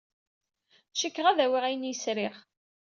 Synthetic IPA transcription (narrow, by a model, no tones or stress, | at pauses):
ʃikːʁæðæwiʁæjənjəsɾɪχ